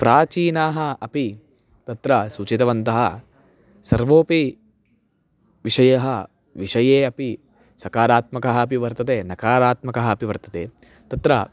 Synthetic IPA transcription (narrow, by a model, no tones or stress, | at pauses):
pɾʔaːt͡ʃiːnaːɦɐɐpi | t̪ɐt̪ɾɐsuːt͡ʃit̪ɐʋɐnt̪ɐɦɐ | sɐɾʋoːpi | ʋiʂɐjɐɦɐ | ʋiʂɐjeːɐpi | sɐkaːɾaːt̪mɐkɐɦɐːpiʋɐɾt̪ɐt̪eːnɐkaːɾaːt̪mɐkɐɦɐɐpiʋɐɾt̪ɐ̥t̪eː | t̪ɐt̪ɾɐ